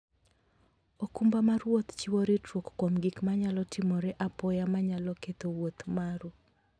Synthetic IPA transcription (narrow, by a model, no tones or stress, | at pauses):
okumbamaɾwot̪t͡ʃɪwoɾetwokkwomɡikmaɲalɔtɪmɔɾɛʔapɔjamaɲalɔket̪owot̪maɾu